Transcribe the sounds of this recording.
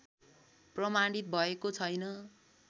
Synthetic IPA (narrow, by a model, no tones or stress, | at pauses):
prʌmaɽit̪̚bʱʌekot͡sʰʌjnʌ